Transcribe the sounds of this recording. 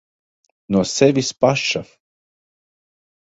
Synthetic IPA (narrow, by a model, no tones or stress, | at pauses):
nuɔsɛvʲispaʃaf